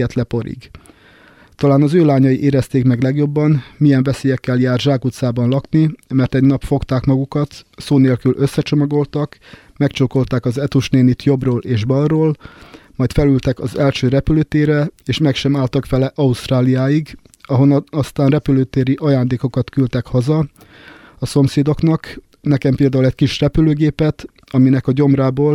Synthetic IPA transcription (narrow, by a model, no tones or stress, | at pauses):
ɛt̪lɛpo̞ɾḭɡ | t̪ɒlaːnɒzøːlaːɲɒjiʔeːɾɛst̪eːkmɛɡlɛɡjo̞bːɒnmijɛɱvɛseːjɛkːɛljaːrʒaːkut̪saːbɒnlɒknimɛrt̪ɛɟnɒpfo̞kt̪aːkmɒɡukɒt̪soːneːlkylʔø̞sːɛt͡ʃo̞mɒɡo̞lt̪ɒk | mɛkt͡ʃoko̞lt̪aːkɒzɛt̪uʃneːnit̪jo̞broːleːʒbɒlroːl | mɒjt̪fɛlylt̪ɛkɒzɛlʃøːɾɛpyløːt̪eːɾɛeːʃmɛkʃɛmaːlt̪ɒkfɛlɛʔɒust̪raːlijaːjiɡ | ɒɦo̞nɒst̪aːnrɛpyløːt̪eːɾiʔɒjaːnd̪eːko̞kɒt̪kylt̪ɛkhɒzɒ | ɒso̞mseːd̪o̞knɒk | nɛkɛmpeːld̪aːulɛc̚kiʃrɛpyløːɡeːpɛt̪ | ɒminɛkɒɟo̞mraːboːl